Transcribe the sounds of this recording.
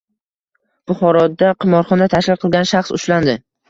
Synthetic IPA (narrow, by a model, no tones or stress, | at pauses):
b̥ʊχɒɾɒd̪aqʰɨmɒɾχɒnat̪ʰaʃlɪlˠqʰɨlˠɡʲanʃaχsʊ̰ʃland̪ɪ